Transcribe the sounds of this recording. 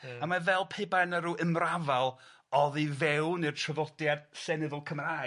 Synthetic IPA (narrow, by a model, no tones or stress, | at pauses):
amavɛlˠpʰeɨbanəɾuːʔəmravalˠ | ɔðivɛwnirtʰrəvɔdjad̥sɛnɨðʊlˠkʰəmra